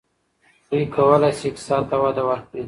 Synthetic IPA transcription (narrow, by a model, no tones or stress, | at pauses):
d̪uikʰawəlajseksɑnt̪awad̪awaɾk̚ɽi